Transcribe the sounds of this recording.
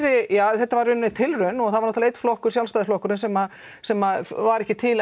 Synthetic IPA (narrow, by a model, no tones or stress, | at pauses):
ɾɪjaːθɛht̪ːavaɾʏnːɪt̪ʰɪlrʏnɔɣθaðvaɾnɔt̪lejt̪ːflɔhkʏɾsjalst̪aːðɪflɔhkʏɾɪnsɛma | sɛmaðvaɾɛhcɪt̪ʰɪl